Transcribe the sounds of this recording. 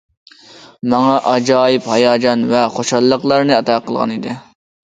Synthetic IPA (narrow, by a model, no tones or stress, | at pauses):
mɑŋɑʔɑd͡ʒɑːjɪphɑjɑːd͡ʒɑnvɛχoʃhɑlˠːəqlˠɑɾnɨɑt̪ɑːqəlˠʁɑ̰nid̪ɪ